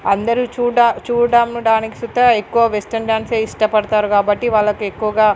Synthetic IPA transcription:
ɐnd̪ɐɾit͡ʃuːɖat͡ʃuːɽaːmnuɖaːniki̥sut̪ːɐekːuʋɐʋesʈɐnɖjaːnseːiʂʈɐpɐɽɐt̪aːɾukaːbɐʈːiʋaːlːɐkue̞kːuʋɐɡaː

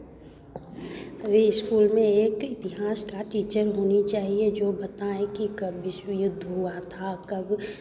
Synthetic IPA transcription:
əʋeɪskuːlmẽeːkɪt̪ɪɦaːskaʈiːt͡ʃəɾɦoːnit͡ʃaːɦied͡ʒoːbɐt̪aẽkikɐbʋɪʃwəjʊd̪ʱːɦuat̪ʰakɐb

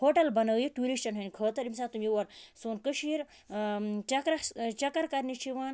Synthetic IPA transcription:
hoːʈɐlbɐnɐwjiʈuːɾist͡ʃɐnɦɐnʲkʰəːt̪ɐɾimsaːt̪umjiʋɐɾsuːnkəʃiɾ | t͡ʃɐkɾɐt͡ʃɐkɐɾkɐɾnit͡ʃʰiʋaːn

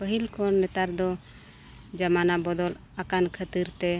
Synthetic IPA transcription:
pəɦilkɔnɛt̪aɾd̪ɔ | d͡ʒamanabɔd̪ɔl | akankʰət̪iɾt̪ɛ

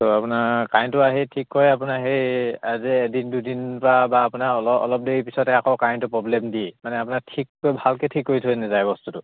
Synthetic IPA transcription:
tɔapʊnakajntʊaɦitʰikːɔjapʊnaɦeaziːdindudinpɔɹabaːpunaɔlɔɔ̰lɔp̚deɹipisɔtɛakɔwkajntʊpɹɔblemdimanɛapunaɹtʰikːojbʱalketʰikːoɹitʰojnazajbɔstutʊ

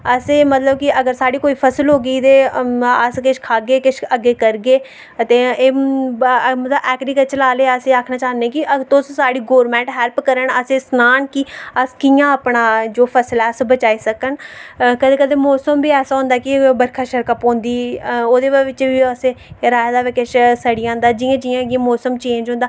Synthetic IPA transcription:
əseːmət̪ləb̚kɪəɡəɾsaːɽiːkoːiːpʰəsəlɦoːɡiːd̪eːəskɪʃkʰaːɡeːkɪʃəɡːeːkəɾɡeː | ət̪eːeː | mət̪ləbɛːkɾiːkət͡ʃəlaːleːəseːaːkʰnaːt͡ʃaːneːkɪʔət̪õssaːɽiːɡoːɾmɛ̃ːɳʈɦɛːlpkəɾəɳəseːsnaːnkɪəskɪjãːəpɳaːd͡ʒoːpʰəslaːəsbət͡ʃaːiːsəkənkəd̪eːkəd̪eːmɔːsəmbiːɛːsaːɦʊ̃nd̪aːkɪbəɾkʰaːʃəɾkəpõːnd̪iːoːd̪eːʋʋɪt͡ʃbiːəseːɾaːd̪aːʋɪkeʃsəɽijãːnd̪aːd͡ʒɪjãːd͡ʒɪjãːəɡẽːmɔːsəmt͡ʃeːnd͡ʒɦõnd̪aː

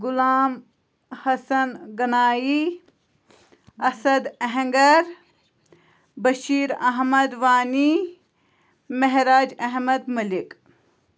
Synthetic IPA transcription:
ɡʊlaːm | hɐsɐnɡɐnaːji | ɐsɐd̪ɐɦẽŋɡɐɾ | bɐʃiːɾɐɦmɐd̪ʋaːni | mɐɦɾaːd͡ʒɐɦmɐd̪mɐlik

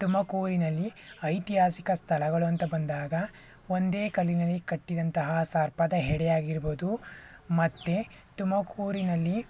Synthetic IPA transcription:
t̪umɐkuːɾinɐlːiɐjt̪iɦaːsikɐst̪ʰɐɭɐɡɐɭuɐnt̪ɐbɐnd̪aːɡɐ | o̞nd̪e̞ːkɐlinɐlːikɐʈːid̪ɐnt̪ɐɦɐsaːɾpɐd̪ɐɦɛɽɛjaːɡiɾboːd̪umɐt̪ːe | t̪umɐkuːɾinɐlːi

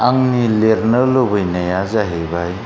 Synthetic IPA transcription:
aŋnileɾnɯlobɯjnajazaɦebaj

